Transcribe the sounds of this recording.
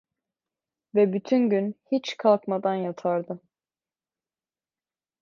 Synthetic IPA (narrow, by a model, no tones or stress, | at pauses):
vɛbyt̪ʰynɟynhit͡ʃkʰalˠkmad̪anjat̪ʰaɾd̪ɯ